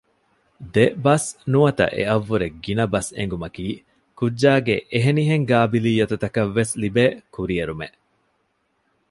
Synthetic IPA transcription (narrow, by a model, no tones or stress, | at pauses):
d̪eʔbɐsnuɐt̪ɐ̰ʔḛʔɐʋːuɾeɡinɐbɐsḛŋɡumɐkiː | kudd͡ʒaːɡeʔeɦeniɦeŋɡaːbiliːjɐt̪ut̪ɐkɐʋːeslibeːkuɾieɾumeʔ